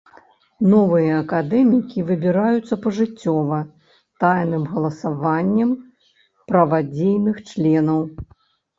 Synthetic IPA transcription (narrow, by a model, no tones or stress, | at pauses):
nɔvɨjɐːkad̪ɛmʲikʲivɨbʲiɾajut̪sːɐpɐʐɨt͡sʲːɔvɐ | t̪ajnɨmɣɐlˠɐsavanʲːɐm | pɾɐvad͡zʲejnɨxt͡ʂlʲɛnɐw